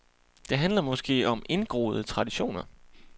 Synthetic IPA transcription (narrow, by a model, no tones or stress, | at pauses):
d̥e̝ɦænlɐmɒ̽sɡ̥e̝̰ːɒ̽me̝nɡ̥ʁo̰ːð̩ˠt͡sʰʁɑ̈d̥iɕo̝̰ːnɐ